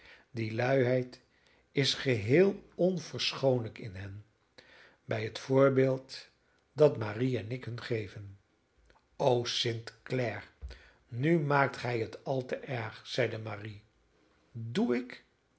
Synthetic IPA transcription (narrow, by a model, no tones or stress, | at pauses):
dilœɥɦɛjt | ɪsχəɦeːlˠɔnv̥əɹsχownləkɪnɦɛn | bɛjɦətfʊːɹbeːlˠt | dɑtmaːriɛnɪkɦɵnχejvən | owsɪntklɛɹ | nymaːk̚tχɛjɦətʰɑlˠtəʔɛɹχz̥ɛjdəmaːri | duɪk